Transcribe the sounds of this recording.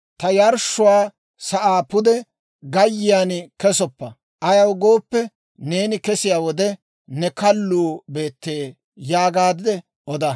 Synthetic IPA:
t̪ɐjɐɾʃːʊwaː | sɐʔaːpʊd̪ɛ | ɡɐjːɪjankɛsɔpːɐ | ʔɐjɐwɡo̞ːpːɛ | ne̞ːnɪkɛsɪjaːwɔd̪ɛ | nɛkɐlːuːbe̞ːt̪ːeː | jaːɡaːd̪ɪd̪ɛ | ɔd̪ɐ

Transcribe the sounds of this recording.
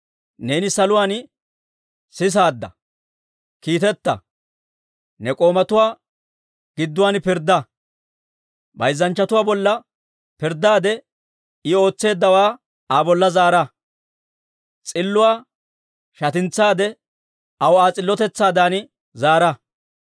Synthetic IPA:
ne̞ːnɪsɐlʊwaːn | sɪs̬aːd̪ːɐ̰ | kiːt̪ɛt̪ːɐ̰ | nɛkʼo̞ːmɐt̪ʊwaː | ɡ̥ɪd̪ːʊwaːnpɪɾd̪ɐ | bɐjzːɐnt͡ʃːɐt̪ʊwaːbɔlːɐ | pɪɾd̪aːd̪ɛ | ɪo̞ːt͡sːe̞ːd̪ːɐwaː | aːbɔlːɐzaːɾɐ | t͡sʼɪlːʊwaː | ʃɐt̪ɪnt͡sːaːd̪ɛ | ɐwaːt͡sʼɪlːɔt̪ɛt͡sːaːd̪aːn | zaːɾɐ

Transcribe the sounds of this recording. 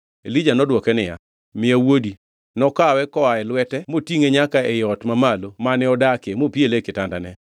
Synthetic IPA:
elid͡ʒanɔdwɔkɛnɪja̰ | mɪawodi | nɔkawɛkɔaɛlwɛtɛmotiŋeɲakaɛjɔtmamalomanɛɔdakemopielekɪtandanɛ

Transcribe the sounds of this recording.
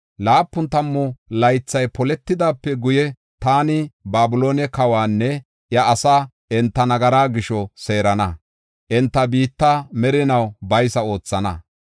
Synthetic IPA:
laːpːʊnt̪ɐmːɔlɐjt͡sːɐjpɔlɛt̪ːɪd̪aːpːɛɡʊjɛ | t̪aːnɪbaːbʊlo̞ːnɛkɐwaːnːɛ | jɐːsaː | ʔɛnt̪ːɐnɐɡɐɾaːɡɪʃɔse̞ːɾɐnɐ | ʔɛnt̪ːɐbiːt̪ːamɛɾɪnɐwbɐjsɐo̞ːt͡sːɐnɐ̰

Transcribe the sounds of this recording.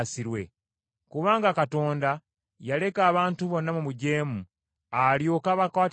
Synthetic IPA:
siɾwe̞̰ | kuβaːŋɡakato̞ːnda | jale̞kaːβaːntuβo̞nːamumuɟe̞ːmu | aljo̞ːkaβakwaːt

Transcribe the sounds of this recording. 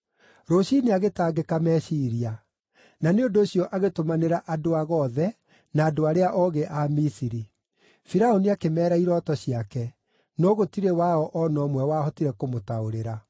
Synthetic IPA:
ɾoɕineaɣetaːɡekamɛsiɾia | naneondoːɕiɔʔaɣetomaneɾaʔadoaɣɔðɛ | naːdoaɾeaʔɔɣeʔamisiɾi | fiɾaoniakemɛːɾaiɾɔtɔɕiakɛ | nɔɣotiɾewaɔʔɔnɔmwɛwaːhɔtiɾɛkomotaoɾeɾa

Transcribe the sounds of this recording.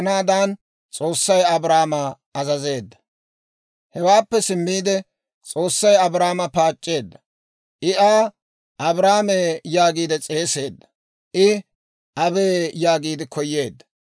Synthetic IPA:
naːd̪aːn | t͡sʼo̞ːsːɐjɐbɾaːmɐ | ɐzɐze̞ːd̪ːɐ̥ | hɛwaːpːɛsɪmːiːd̪ɛ | t͡sʼo̞ːsːɐjɐbɾaːmɐpaːt͡ʃʼːe̞ːd̪ːɐ̥ | ʔɪʔaː | ʔɐbɾaːmeːjaːɡiːd̪ɛt͡sʼe̞ːse̞ːd̪ːɐ̥ | ʔɪ | ʔɐbeːjaːɡiːd̪ɪkɔjːe̞ːd̪ːɐ̥

